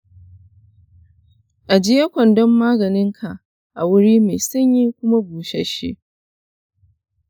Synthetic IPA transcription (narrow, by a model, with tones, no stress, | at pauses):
ʔa˨d͡ʒɪ˦ja˦kʷɔ˨ndɔ˦mːaː˦ɡɐ˨nɪ˦ŋkʰa˨ʔ | ʔa˨wʊ˦ɾiː˦me˨sɐ˦ɲji˦kʷʊ˦ma˦buː˨ʃa˨ʃḭ˦ʔ